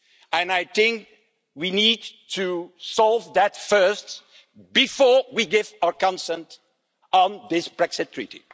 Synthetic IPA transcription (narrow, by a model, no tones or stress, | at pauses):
ɨ̃naɪθɪ̃ŋk | winid̚tʰusɔlˠvðɨtfɜ˞st | b̥ɨfɔɹwiɡɪvaʊə˞kɑ̃nsɛ̃nt | n̩ðɪsb̥ɹɛksɨtʰːɹ̥ḭɾḭ